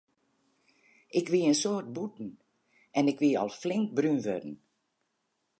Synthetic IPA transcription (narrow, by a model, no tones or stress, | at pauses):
ʔɪkʋiənsoːrt̚butn̩ | ɛnɪkʋiɔ̰lˠflɪŋk̚brynʋø̰dn̩